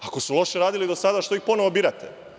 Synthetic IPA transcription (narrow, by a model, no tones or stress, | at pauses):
ako̞sulˠo̞ʃeɾaːd̪ilid̪o̞sad̪aʃt̪oixpo̞noʋobiːɾat̪ʰḛ